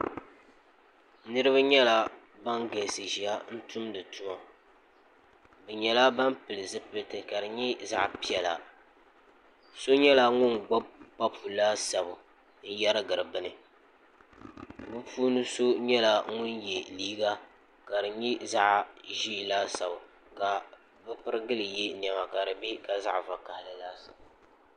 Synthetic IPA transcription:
nɨ˦ɾɨ˦βa˦ɲɛ˦la˦ | ba˦ŋɡɛ˨sɨ˨ʒi˨a˦n̩˦tʊ˦mdɨ˨tʰʊ˦ma˨ | bɛ˨ɲɛ˨la˦ba˦mpɨ˨lɨ˨zɨ˦pɨ˨tɨ˨ka˨ɾɨ˨ɲi˦za̰˦ʔpi˦ɛ˨la̰˨ | so˦ɲɛ˦la˦ŋʊ˦nɡ͡ba˦bpa˦pʰu˨laː˦sa˨bʊ˨ | n̩˦ja˦ɾɨ˦ɡɨ˨ɾɨ˨bɨ˦nɨ˨ | bɨ˦puː˦nɨ˦so˦ɲɛ˦la˦ŋʊ˦njɛ˨liː˦ɡa˦ | ka˨dɨ˨ɲi˦za˦ʔʒi˦˨laː˦sa˨bʊ˨ | ɡa˨ | bɨ˦pɨ˦ɾɨ˦ɡɨ˦lɨ˨jɛ˦ni˨ɛ˨ma˨ka˨ɾɨ˨be˦ka˦za˦ʔva˨ka˨hɪ˨lɨ˨laː˦sa˨b

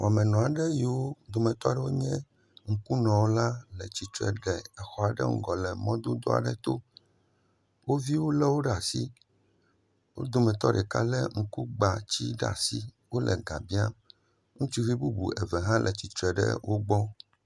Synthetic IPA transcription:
wa˨mɛ̃˨nɔ̃˨a˨ɖɛ˦ji˨wo˦d̪o˨mɛ̃˨t̪ɔ˦a˦ɖɛ˦wo˦ɲɛ̃˦ | ŋ̩˨ku˦nɔ̃˨wo˦la˦lɛ˨t͡ɕi˨t̪ɾɛ̰˨ɖɛ˨ɛ˨xɔ˨a˨ɖɛ̰˦ŋ̩̰˦ɡɔ˨lɛ˨mɔ̃˦d̪o˦d̪o̰˦a̰˨ɖɛ˨t̪o˦ | wo˦vi˦wo˦lɛ˦wo˦ɖa˨si˦ | wo̰˦d̪o˨mɛ̃˨t̪ɔ˦ɖɛ˨ka̰˦lɛ˦ŋ̩˨ku˦ɡ͡ba˨t͡ɕi˦ɖa̰˨si˦ | wo˦lʔɛ̰˨ɡa˨bi˦a˦ | ŋũ˦t͡ʃi˦vi˦bu˦bṵ˨ɛ˨vɛ˨ɦã˦lʔɛ˨t͡ɕi˨t̪ɾɛ˨ɖɛ̰˦wʔo˦ɡ͡bɔ˦

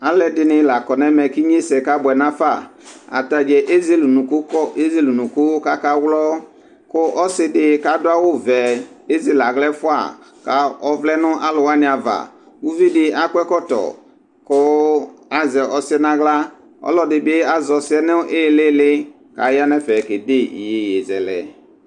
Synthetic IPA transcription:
a˨lɛ˦dɪ˨nɪ̃˨la˨kɔ˨nɛ˦mɛ˨ki˦ɲ˦e˦sɛ˨ka˦bʊ˨ɛ˨nã˦fa˦˨a̰˨ta˨d͡ʒɛ˨ʔe˦zi˦lke˦zi˦˨lu˨nũ˨kʊ˦ka˦ka˦wlɔ˦ | kʊ˦ʔɔ˦sɪ˦dɪ˨ka˨˦dʊ˦a˦wʊ˦vɛ˨e˦zi˦la˨ɣlɛ˦fʊ˦a̰˨ | ka˨ɔ˦vlɛ˦nʊ˦ʔa˦lʊ˨wa˦nɪ˨a˨va̰˨ | u˦vi˦dɪ˨a˦kwɛ˦kɔ˦tɔ̰˨ | kʊ˦a˨zɛ˨ʔɔ˨sɪ˦ɛ˦nã˦ɣla˦ | ɔ̰˦lɔ˦dɪ˨be˦a˨zɔ˨sɪ˦ɛ˦nɛ˦ʔɪ˦lɪ˦lɪ˦ | ka̰˨˦ja˦nɛ˦fɛ˨ke˨de˦ḭ˨je˨je˨zɛ̰˨lɛ̰˨

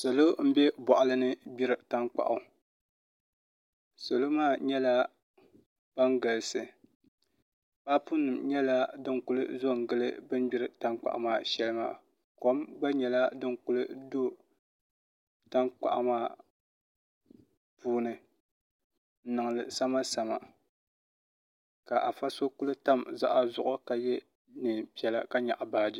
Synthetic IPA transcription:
so˨lo˦m̩˦bɛ˦bɔ˨ʔʊ˨lɨ˦nɨ˦bi˦ɾɨ˨ta˦ŋk͡pa̰˨ʔʊ˨ | so˨lo˦maː˦˨ɲɛ˦la˦ | b̥a˦ŋɡa˨lɨ˨sɨ˨ | ba˦pu˦nːɨ˨mɲɛ˦la˦dɨ˦ŋkʊ˦lɨ̰˦zo˦ŋ̩˨ɡɨ˦lɨ̰˦bɨ˦nbi˦ɾɨ˨ta˦ŋk͡pa̰˨ʔa˨˦maː˦˨ʃɛ˦lɨ˦ma̰ː˦˨ | ko˦mɡ͡ba˦ɲɛ˨la˦dɨ˦ŋkʊ˦lɨ˦do˦ | ta˦ŋk͡pa̰˨ʔa̰˨maː˦ | puː˦nɨ˨˦ | nɨ˨ŋ˨lɨ˨sa˦ma˦sa˨ma̰˨ | ka˨ʔa˨fa˦so˦kʊ˦lɨ˦ta˦mza˦ʔa˦zʊ˨ʔʊ˦ka˨jɛ˦ | nɨ˨pi˨˦ɛ˨la˦ka˦ɲa̰˨ʔa˨baː˨˦di˦

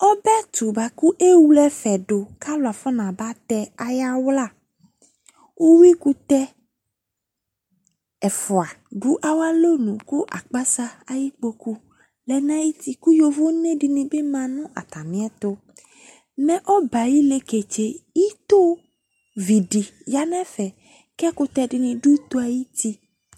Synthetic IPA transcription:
ɔ˦bɛ˦t̪u˨ba˨ku˦ʔe˦wu˦lɛ˦fɛ˨ɖo˨ka˦lo˨a˨fɔ˦nã˨ba˦t̪ɛ˦a˨ja˦wla˦˨ | wʔo˦wi˦ku˦t̪ɛ˦ | ɛ˨fɔ˨a˨ | ɖu˦ʔa˨wa˦lo˦nũ˨ku˦ʔa˨k͡pa˦sa˦a˨ji˦k͡po˦ku˦ | lɛ˨nã˦ji˦t̪i˦ku˦jo˦vo˦nẽ˦ɖi˨nĩ˨be˦mã˨nũ˦ʔa̰˨t̪a˨mĩ˦ɛ˦t̪o˦ | mɛ̃˦ʔɔ˦ba˨ji˦le˦ke˨t͡ʃe˨ji˦t̪o˦ | vi˨ɖi˨ja˦nɛ̃˦fɛ˨ | kɛ˦ku˦t̪ɛ˦ɖi˨nĩ˨ɖu˦t̪o˦a˨ji˦t̪i˦

